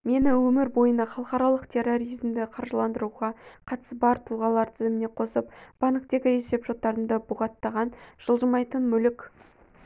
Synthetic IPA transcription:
me̞nɪwɵmɪɾbo̞jənɑχɑlˠəqɑɾɑlˠəqt̪ʲʰe̞ro̞ɾizmd̪ɪqʰɑɾʒəlˠɑnd̪əɾuʁɑqʰɑt̪ə̥sbɑɾt̪ʰuʁɑlˠɑɾt̪ʰɪzɪmɪne̞qʰo̞səp̚b̥ɑnəqt̪e̞ɡʲɪe̞se̞pʒo̞t̪ːɑɾəmd̪əbʊʁɑt̪ːɑʁɑnʒ̥əlˠʒəmɑjt̪ənmʏlɪkʲ

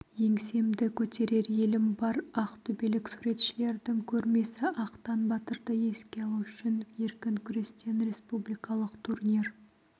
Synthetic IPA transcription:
je̞ŋse̞md̪ɪkʲʰɵt̪e̞ɾe̞ɾje̞lɪmbɑɾɑqt̪ʰɵbe̞lɪksuɾe̞t̪ʃɪle̞ɾd̪ɪŋkʲʰɵɾme̞sɪʔɑqt̪ɑnbɑt̪əɾd̪əje̞skʲe̞ɑlˠuʏʃɪnje̞ɾkʲɪŋkʲʰʏɾe̞st̪e̞nɾe̞spublijkɑlˠəqt̪ʰurnʲir

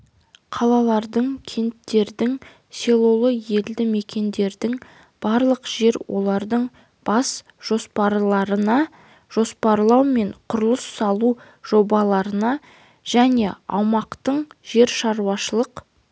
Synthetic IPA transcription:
qʰɑlˠɑlˠɑɾd̪əɴkʲʰe̞nt̪ːe̞ɾd̪ɪŋ | se̞lˠo̞lˠəje̞ld̪ɪme̞kʲe̞nd̪e̞ɾd̪ɪŋ | b̥ɑɾlˠəqʒ̥e̞ɾwo̞̰lˠɑɾd̪əɴ | b̥ɑs | ʒ̥o̞spɑɾlˠɑɾənɑ | ʒ̥o̞spɑɾlˠɑwme̞ɴqʰʊɾəlˠəsːɑlˠu | ʒ̥o̞bɑlˠɑɾənɑ | ʒ̥æne̞ɑ̰wmɑqt̪əɴʒe̞ɾʃɑɾuwɑʃəlˠəq

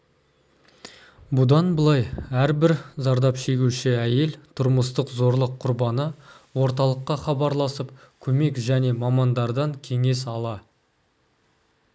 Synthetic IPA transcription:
bʊd̪ɑnbəlˠɑjæɾbɪɾzɑɾd̪ɑpʃe̞ɡʲuʃɪæje̞lt̪ʰʊɾməst̪əqzo̞ɾlˠəqʰʊɾbɑnə | wo̞ɾt̪ɑlˠəqːɑχɑbɑɾlˠɑsəp | kʲʰɵme̞kʒæne̞mɑmɑnd̪ɑɾd̪ɑŋkʲʰe̞ŋe̞s̬ɑlˠɑ

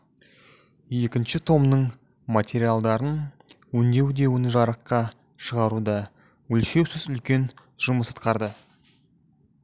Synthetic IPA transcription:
je̞kʲɪnʃɪt̪ʰo̞mnəɴ | mat̪ʲʰe̞ɾialˠd̪ɑɾən | wɵnd̪e̞wd̪e̞wɪnʒɑɾəqːɑ | ʃəʁɑɾud̪ɑ | wɵlʃe̞wsɪzʏlkʲe̞n | ʒ̥ʊməsə̥t̪qɑɾd̪ə

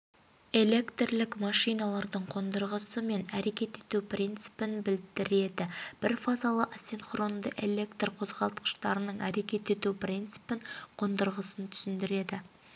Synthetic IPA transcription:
e̞le̞kt̪rlɪkmɑʃijnɑlˠɑɾd̪əɴqʰo̞nd̪əɾʁəsəme̞næɾe̞kʲe̞t̪e̞t̪upʰrʲʔint̪sɨ̥pɪnbɪld̪ɪɾe̞d̪ɪb̥ɪɾfazalˠəʔasinχro̞nd̪əʔe̞lʲe̞kt̪rqʰo̞zʁɑlˠt̪qə̥ʃt̪ɑɾənəɴæɾe̞kʲe̞t̪e̞t̪uprʲint̪sɨ̥pɪɴqʰo̞nd̪əɾʁəsənt̪ʰʏ̥sɪnd̪ɪɾe̞d̪ɪ

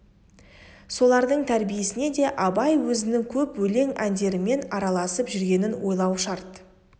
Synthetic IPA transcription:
so̞lˠɑɾd̪əɴt̪ʰæɾbije̞sɪne̞d̪e̞ʔɑbɑjwɵzɪnɪŋkʲʰɵpwɵle̞ŋænd̪e̞ɾɪme̞nɑɾɑlˠɑsəpʒʏɾɡʲe̞nɪnwo̞jlˠɑwʃɑɾt̪

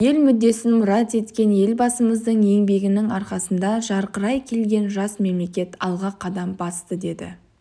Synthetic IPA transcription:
je̞lmʏd̪ːe̞sɪnmʊɾɑt̪e̞t̪kʲe̞nje̞lbɑsəməzd̪əɴje̞ŋbe̞ɡʲɪnɪŋɑɾqɑsənd̪ɑʒɑɾqəɾɑjkʲʰe̞lɡʲe̞nʒɑsme̞mle̞kʲe̞t̪ɑlˠʁɑqʰɑd̪ɑmbɑst̪əd̪e̞d̪ɪ̰

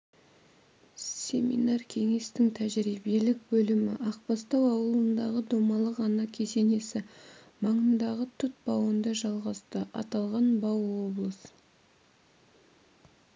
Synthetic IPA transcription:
sʲe̞mḭnɑrkʲʰe̞ŋe̞st̪ɪŋt̪ʰæʒɾibe̞lɪk̚bɵlɪmɪ̰ʔɑq̚pɑst̪ɑwɑwəlˠənd̪ɑʁəd̪omɑlˠəqɑnɑkʲʰe̞se̞ne̞sɪ | mɑɴənd̪ɑʁət̪ʰʊt̪̚b̥ɑwənd̪ɑʒɑlˠʁɑst̪əʔɑ̰t̪ɑlˠʁɑnbɑwːo̞blˠəs

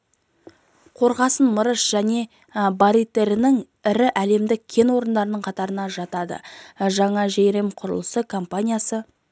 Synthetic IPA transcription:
qʰo̞ɾʁɑsənməɾəʃʒ̥æne̞ | bɑɾit̪ːe̞ɾɪnɪŋ | ɪɾɪʔæle̞md̪ɪk̚ʲʰːe̞nwo̞ɾənd̪ɑɾənəɴqʰɑt̪ɑɾənɑʒɑt̪ɑd̪ə̰ʒɑɴɑʒejɾe̞mqʰʊɾə̰lˠəsəkʰompanʲijasə

